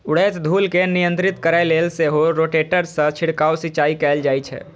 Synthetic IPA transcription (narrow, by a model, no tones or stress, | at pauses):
ʊɽet͡ʃd̪ʱuːlkenijə̃nt̪ɾɪt̪kəɾaleːlseɦoɾoːʈeʈəɾsə̃t͡ʃʰɪɽkaːwsit͡ʃaːikɛːld͡ʒaːit͡ʃʰɛ̰ː